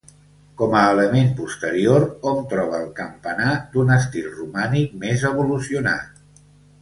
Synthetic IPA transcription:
kɔməːləmempust̪əɾioɾomt̪ɾɔβ̞əːlˠkəmpənad̪unəst̪ilˠrumanik̚mezəβ̞ulusiuna̰

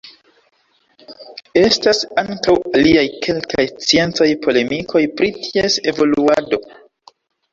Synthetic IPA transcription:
e̞stasaŋkawaliajkʰe̞lkajt͡sie̞nt͡so̞jpʰo̞le̞mikʰo̞jpɾitʰie̞se̞vo̞luado̞

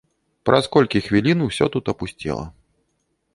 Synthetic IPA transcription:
pɾɐskɔlʲkʲixvʲilʲinusʲɔ̰t̪ut̪ɐpusʲt͡sʲḭlˠɐ̰

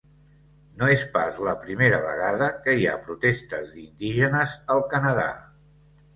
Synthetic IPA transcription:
noespa̰zləpɾimeɾəβ̞ə̰ɣ̞aðəkəia̰pɾut̪est̪əzðind̪iʒənəzəlˠkənəða̰

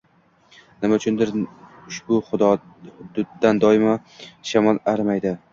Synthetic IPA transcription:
nɪmaʊt͡ʃʰʊnd̪ɪɾ | ʊʃbʊχʊd̪ɒ | hʊd̪ʊd̪ːand̪ɒɪma | ʃamɒlˠaɾmajd̪ɪ

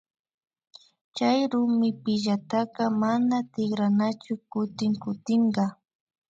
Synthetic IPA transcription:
t͡ʃajɾʊmɪpɪʒat̪ɑqɑmanat̪ɪχɾanat͡ʃʊkʊt̪ɪŋkʊt̪ɪɴɢɑ

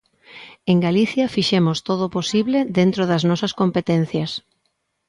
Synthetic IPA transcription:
eŋɡaliθjɐfiʃemʊst̪oð̞oposiβleðent̪ɾoðɐznɔsɐskompet̪en̟θjɐs

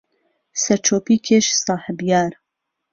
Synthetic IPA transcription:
sɐɾt͡ʃʰoːpiːkʰeʃsɑːħəbjaːɾ

